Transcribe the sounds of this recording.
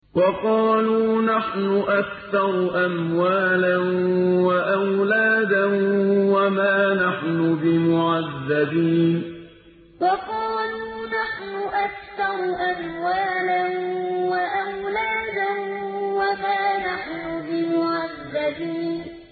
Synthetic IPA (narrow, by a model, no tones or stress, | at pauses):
wɑqɑːluːnaħnʊʔakθɑɾˤʔamwaːlanwaʔawlaːd̪anwamaːnaħnʊbɪmʊʕaðːabiːn | wɑqɑːluːnaħnʊʔakθɑɾˤʔamwaːlanwaʔawlaːd̪anwamaːnaħnʊbɪmʊʕaðːabiːn